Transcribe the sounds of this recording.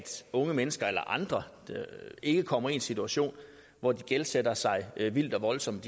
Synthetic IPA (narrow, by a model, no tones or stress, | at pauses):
d̥ɔ̽ŋəmenəsɡ̥ɐelɐ̰ʔɑ̈nd̥ʁɐ̥ | e̝ɡ̥əkʰɒ̽m̰ɐe̝nsit͡sʰuæɕo̝̰ːn | ʋɒd̥iɡ̥elsed̥ɐsɑ̈ɪʋil̰d̥ɒ̽ʋɒ̽lsɒ̽md̥